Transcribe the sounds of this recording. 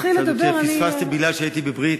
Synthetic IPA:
χiled̪abeeʁainsfast̪ebiɡlalʃeait̪ibebʁit̪

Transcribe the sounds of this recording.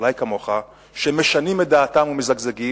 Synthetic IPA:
lajkamo̞χa | ʃemeʃanimed̪aːtamumezaɡzeɡi

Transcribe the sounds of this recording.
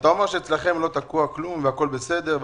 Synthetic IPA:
t̪aomeʁʃeet͡slaχemlo̞t̪akuaklumveako̞lbesed̪eʁv

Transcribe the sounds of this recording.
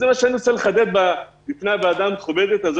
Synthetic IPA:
zemaʃeaniʁot͡seleχad̪et̪̚babifnabead̪amχobed̪et̪azo

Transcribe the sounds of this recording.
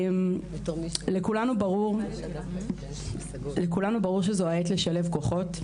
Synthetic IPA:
m | lekulanubaʁuʁ | lekulanubaʁuʁʃ̬ezoaetleʃale̞vko̞χo̞t

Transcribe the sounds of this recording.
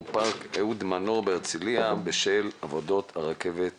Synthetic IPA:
paʁkeud̪manoʁbeʁt͡siliabeʃelavod̪o̞t̪haʁakevet̪

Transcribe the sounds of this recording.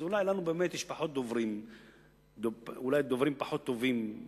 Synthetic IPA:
ʊlajlanubeʔmeːt̪ɪʃpaħot̪̚d̪ovɾiːm | d̪oʊlajd̪ovɾiːmpaħot̪ːoviːm

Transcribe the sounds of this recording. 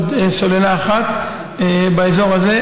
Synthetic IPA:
d̪solelaːχat̪ | baezo̞ʁaze

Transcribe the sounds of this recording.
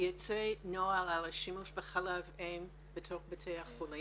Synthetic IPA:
jot͡senoalalaʃimuʃbəχalavẽm | bətʰoχbətʰeaχχuli

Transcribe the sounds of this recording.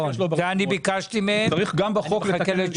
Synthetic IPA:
oveanibikaʃt̪imeaʁiχɡambeχokleakele

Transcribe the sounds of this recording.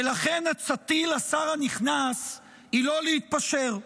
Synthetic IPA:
elaχe̞nat͡sat̪ilasaʁaniχnas | ilo̞lehit̪̚paʃe̞ʁ

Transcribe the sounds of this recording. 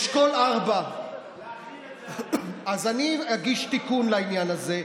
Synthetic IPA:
ʃkolaʁba | azaniaɡiʃt̪ikunlainjanaze

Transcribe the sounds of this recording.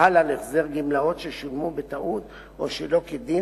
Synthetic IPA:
alaneχzeʁɡimlao̞tʃeʃulmubet̪aʔut̪ | o̰ʃelo̞ked̪i

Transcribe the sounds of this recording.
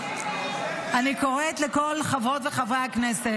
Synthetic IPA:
ʔaniko̞ʁet̪lekolχavot̪veχavʁeaknese

